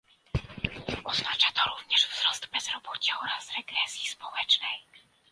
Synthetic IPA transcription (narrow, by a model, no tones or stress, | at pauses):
ɔznat͡ʂat̪ɔɾuvɲɛʐvz̥ɾɔsd̪bɛz̥ɾɔbɔt͡ɕɛɔɾasɾɛɡɾɛsʲjispɔwɛt͡ʂnɛj